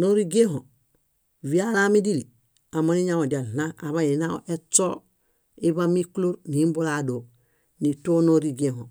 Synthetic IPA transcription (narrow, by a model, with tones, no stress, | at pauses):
no˦ɾi˦ɡe˦ɦo˨ | vi˦alami˦di˦li | a˨moni˦ɲa˦o˨ɟa˨lnaa˨βa˦i˨na˦o˦ʔe˦t͡so˦ | i˦βa˦mi˦klo˦ɾnimbo˦lado˨ | ni˨to˦no˦ɾiɡeɦo˨